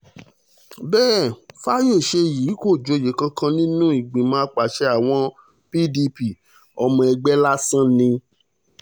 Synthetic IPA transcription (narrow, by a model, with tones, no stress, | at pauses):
bɛː˦˨fa˦jo˦˨ʃe˧˨jiː˨˦ko˦˨d͡ʒo˧˨je˨˦kã˧kã˧nĩ˦nũ˦i˦˨ɡ͡bĩ˨mã˧˦a˧k͡pa˨ʃɛ˧˦a˦˨w̃ɔ̃˧˦ | pi˦di˧pi˨ | ɔ˧mɔ̃˧ɛ˧ɡ͡bɛ˦la˦sã˦nĩ˧